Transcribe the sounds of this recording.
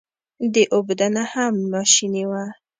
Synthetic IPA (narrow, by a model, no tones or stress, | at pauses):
d̪əʔobd̪anahamːɑʃiniwa